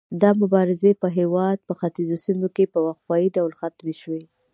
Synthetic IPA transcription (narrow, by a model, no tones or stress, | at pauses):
d̪ɑmʊbɑɾɪzepəɦewɑd̪̚pəxat̪izosimokepəwaxwɑjiɖawlxat̪meʃwe